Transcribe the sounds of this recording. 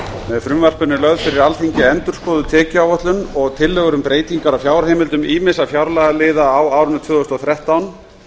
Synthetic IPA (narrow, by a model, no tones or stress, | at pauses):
mɛðfɾʏmvar̥pʏnːɪlœɣðfɪɾɪɾalθiɲcɪɛnt̪ʏɾ̥skɔːðʏt̪ʰɛːcɪawvœht̪lʏnɔɣt̪ʰɪlːœɣʏɾʏmpɾeːjt̪iŋkaɾafjaːwɾahejmɪlt̪ʏmiːmɪsafjawɾlaːɣalɪːðaːwaːwɾʏnːʏt̪ʰvʏːðɔʏst̪ɔθɾɛht̪awn